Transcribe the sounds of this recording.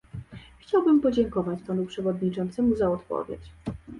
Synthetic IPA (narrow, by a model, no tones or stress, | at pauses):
xt͡ɕawbɘmpɔd͡ʑɛŋkɔvat͡ɕpanupʂɛvɔd̪ɲit͡ʂɔnt̪sɛmuzaɔt̪pɔ̰vʲjḛt͡ɕ